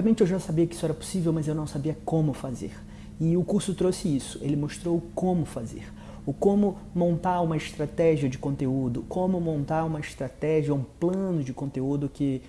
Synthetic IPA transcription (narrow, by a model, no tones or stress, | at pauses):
ɐmẽnt͡ʃɪewʒasabiɐkɪi̥sʊɛɾɐpo̥sivewmɐzewnɐ̃w̃sabiɐkõmʊfazḛɾ | ɪʊkuɾsʊt̪ɾosɪisʊ̥elɪmoʃt̪ɾowʊkõmʊfazḛɾ | ʊkõmʊ | mõnt̪aɾũmɐɪst̪ɾat̪ɛʒiɐd͡ʒɪkõnt̪eud̪ʊkõmʊmõnt̪aɾũmɐɪst̪ɾat̪ɛʒiɐũplɐ̃nʊd͡ʒɪkõnt̪eud̪ʊkɪ